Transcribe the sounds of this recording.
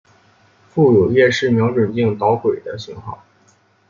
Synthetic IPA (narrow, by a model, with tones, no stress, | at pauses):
fu˥˩jo˨˩ɥɛ˥˧ʂɻ̩˥˩mjɑ˧˥ʈ͡ʂwə˨˩nt͡ɕi˥˩ŋt̪ɑ˧˥ʊkwe˨˩ɪd̪ə˦ɕi˧˥ŋxɑ̰˥˩ʊ